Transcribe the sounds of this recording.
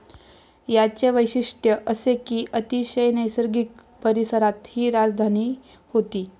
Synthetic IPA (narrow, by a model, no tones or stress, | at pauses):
jat͡ɕeʋəjɕiʂʈjəʔəsekiːʔət̪iɕəjnəjsəɾɡik | pəɾisəɾat̪hiːɾad͡zd̪ʱaniː | hot̪iː